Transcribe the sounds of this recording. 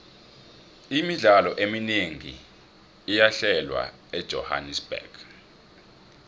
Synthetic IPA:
imiɮalɔʔemineŋḭː | jaɬɛlwa̰ | ɛd̥ʒ̥ʱɔ̰ha̰nisb̥ɛ̰ɡ̥

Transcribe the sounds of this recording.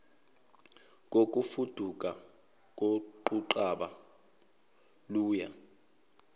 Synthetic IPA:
k̬ʼok̬ʼufud̥ʱukʼa | k̬ʼoǃuǃaɓa | luːja̰

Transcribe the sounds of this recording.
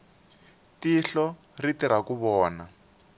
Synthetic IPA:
tiɬɔ | ritiɾakuβɔːna

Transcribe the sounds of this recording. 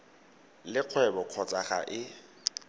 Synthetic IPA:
lɪq͡χʰwɛbɔkʰɔt͡sʼaχa̰ʔɪ

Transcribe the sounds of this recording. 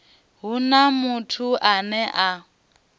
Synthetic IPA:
ɦunamutʰuʔanɛʔa

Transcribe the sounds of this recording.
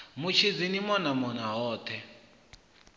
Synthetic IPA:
mut͡ʃʰid͡zinimɔnamɔnaɦɔːt̪ʰɛ

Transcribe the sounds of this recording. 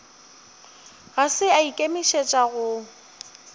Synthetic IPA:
ɣasɪaikʼemiʃet͡ʃʼaɣʊ

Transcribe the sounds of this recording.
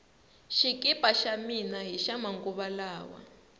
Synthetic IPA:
ʃikʼipʼaʃaminaɦiʃamaŋkuβalaːwa̰

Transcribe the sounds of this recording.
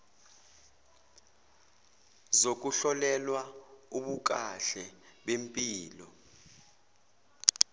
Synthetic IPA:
zok̬uɬɔlɛlwauɓuk̬ʼaɬɛɓempʼiːlɔ

